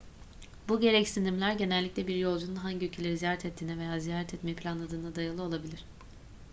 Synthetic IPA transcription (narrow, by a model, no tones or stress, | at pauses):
buɟe̞ɾɛcsind̪imlʲæɾɟe̞nɛlʲːiclʲɛbiɾjo̞lˠd͡ʒununɦaɲɟiylʲcʰe̞lʲe̞ɾizijaːɾɛt̪ʰɛt̪ʰːiːnɛve̞jaːzijaːɾɛt̪ʰɛt̪meipʰlʲanlˠad̪ɯːnad̪ajɯɾlˠɯo̞lˠabilʲiɾ̝̥